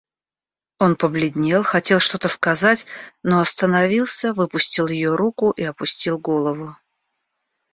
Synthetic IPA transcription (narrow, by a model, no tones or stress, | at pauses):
o̞npəblʲɪdʲnʲe̞lˠxɐtʲe̞lˠʂt̪o̞t̪əskɐzatʲno̞ɐst̪ənɐvʲilˠsʲəvɨpʊsʲtʲɪlˠjɪjo̞ɾukʊʔiɐpʊsʲtʲilˠɡo̞lˠəvʊ